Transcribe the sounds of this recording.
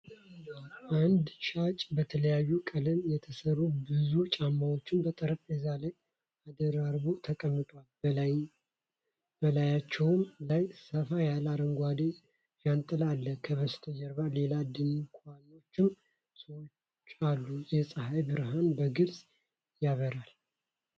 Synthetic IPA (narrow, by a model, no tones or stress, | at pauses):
ʔand̪ʃat͡ʃʼbət̪ʰələjajːukʼələmjɛt̪ʰəsəɾubɨzut͡ʃʼamːawo̞t͡ʃːɪnbət̪ʼəɾəfezalaj | ad̪əɾaɾbut̪ʰəkʼəmːɨt̪ʼwalb | bəlajat͡ʃːɛwmlajsəfajalaɾəŋɡʷwad̪e | ʃant̪ʼɨlalːəkʰəβəst̪ʰəd͡ʒɛɾβale̞lad̪ɨnkʰʷʼano̞t͡ʃːɪm | səwo | alːujɛsʼɨhajbɨɾɦanbəɡɨɾz | jaβəɾal